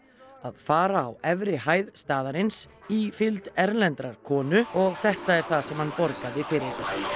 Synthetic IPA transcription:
aðfaːɾaːwɛvɾɪɦaːjðst̪aːðaɾɪnsifɪlt̪ɛɾlɛnt̪ɾaɾ̥kʰɔːnʏɔɣθɛht̪aɛɾ̥θasɛmhanpɔɾkaðɪfɪɾɪɾ

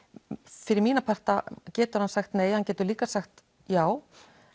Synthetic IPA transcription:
fɪɾɪɾmiːnapʰar̥t̪a̰cɛːt̪ʏɾ̥hansaxt̪neːjhancɛːt̪ʏɾliːkasaxt̪ | jaːw

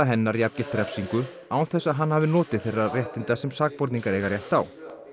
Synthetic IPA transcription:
aɦɛnːaɾiapcɪft̪ɾɛfsiŋkʏ | aːwθɛsːaðɦanːhaːvɪnɔːt̪ɪðθejrːarjɛht̪ɪnt̪asɛmsaːk̚pɔɾt̪niŋkaɾɛːɣaɾrjɛht̪aːw

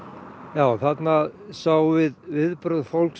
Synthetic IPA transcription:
jaːwθat̪naðsaːwvɪðvɪðpɾœðfowlks

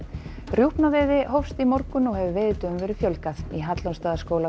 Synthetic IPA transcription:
rjuhpnaveːðɪɦɔfst̪imɔɾkʏnɔwhɛvʏveːjðɪt̪œmvɛːɾɪʏfjœlkaθiɦat̪lanst̪aːðaskoːwla

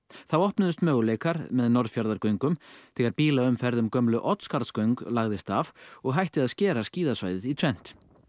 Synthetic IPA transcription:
θawɔhpnʏðʏst̪mœːɣʏleːjkaɾmɛðnɔɾðfjaɾðaɾkœɥŋkʏmθɛːɣaɾpiːlaʏmfɛɾðʏmkœmlʏʔɔt̪skaɾt̪skœɥŋklaɣðɪst̪avɔɣɦajht̪ɪðaðscɛːɾasciːðasvajðɪðit̪ʰɾɛn̥t̪

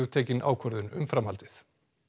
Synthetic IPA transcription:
ʏɣt̪ʰeːcɪnʔa̰ːwkʰɔɾðʏnʏ̰mfɾamhalt̪ɪθ

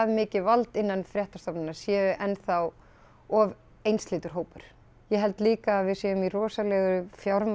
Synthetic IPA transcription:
ðmɪːcɪvalt̪ɪnːanfɾjɛht̪ḁst̪ɔpnɪnḁsjɛːʏʔɛnθaw | ɔv | ejnst̪lɪːt̪ʏɾ̥ɦoːwpʏɾ̥ | jɛɦɛlt̪liːkaːvɪðsjeːjʏmirɔːsalɛːɣʏfjawɾm

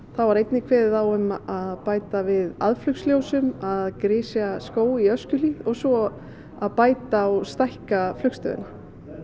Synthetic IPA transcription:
θawvaɾejt̪nɪkʰvɛːðɪθawʏmaðpaːjt̪avɪða̰ðflʏksljoːwsʏmaðkɾɪːsjaskoːwiœscʏliðɔɣsɔ | aðpaːjt̪aːwst̪ahkaflʏkst̪œ̰ðɪ̰na

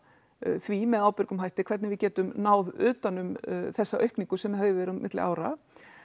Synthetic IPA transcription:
θvimɛðaːwpɪɾkʏmɦajht̪ɪkʰvɛɾt̪nɪvɪðcɛːt̪ʏmnaːwðʏːt̪anʏmθɛsːaʔœɥhkniŋkʏsɛmvhavɪvɛːɾmɪ̰t̪lɪ̰ʔa̰ːwɾa̰

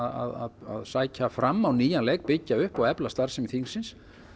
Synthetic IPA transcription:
a̰ða̰ða̰ðsaːjcafɾamːawniːjanlɛːjkpɪcːaʏhpɔɣɛplast̪aɾ̥sɪmθiŋsːɪns

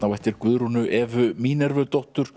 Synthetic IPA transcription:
nawɛht̪ɪɾkvʏðɾunʏʔɛvʏmiːnɛɾvœt̪ɔwht̪ʏɾ̥

